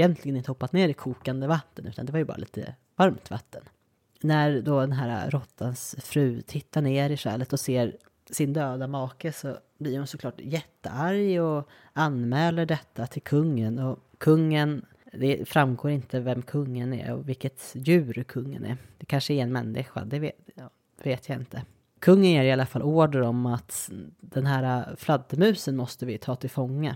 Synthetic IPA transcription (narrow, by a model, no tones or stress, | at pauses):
jɛnt̪ʰlɪɡənɪnt̪əhɔpːat̪neːɾɪkʰuːkand̪əvat̪ːənʉ̟ːt̪a̰nd̪ɛvaɾjəbɑ̰ɾalḭːt̪ə̰ | vaɾmt̪va̰t̪ʰːən | næɾd̪ɔd̪ɛnɦæːɾa̰ɾɔt̪ʰːansfɾʉ̟ːt̪ʰɪt̪ːaɳeːɾɪʂɛ̰ːlət̪ɔseːɾ | sɪnd̪øːd̪amɑːkəsɔ | blɪɾhʊnsɔkʰlɑːʈjɛt̪ːə̰aɾjɔ | anmɛːləɖɛt̪ʰːat̪ʰɪlkʰɵŋːənɔ | kʰɵŋːən | d̪ɛfɾamɡoːɾɪnt̪əvɛmkʰɵŋːənɛ̰ɔ̰vɪlkːət̪jʉ̟ːɾkʰɵŋːə̰nɛ̰d̪̥ɛkʰanʂəɪɛnmɛnːɪ̰ɧa̰d̪ɛvː | veːt̪ʰjaɪnt̪ʰə | kʰɵŋːənjeːɾɪalːafalʔoːɖəɾɔmat̪d̪̥ɛnɦæːɾaflad̪ːəmʉ̟ːsənmɔst̪əvɪt̪ʰɑːt̪ʰɪlfɔŋːə